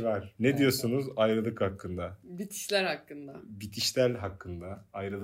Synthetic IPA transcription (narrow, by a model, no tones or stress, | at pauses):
vaɾ̥ned̪ijo̞sunuzajɾɯlˠɯkhakʰːɯnd̪abit̪ʰi̥ʃlʲæɾhakːɯnd̪abit̪ʰiʃlʲæɾʲɦakːɯnd̪aajɾɯlˠ